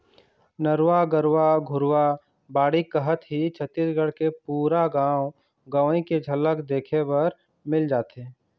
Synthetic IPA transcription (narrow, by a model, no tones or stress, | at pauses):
nəɾwaɡəɾwaɡʱʊɾwa | baːɽikəɦət̪ɦit͡ʃʰət̪ːiːsɡəɽkepuːɾaɡãːw | ɡəẽked͡ʒʱɐləkd̪eːkʰebɐɾ | mɪld͡ʒaːt̪e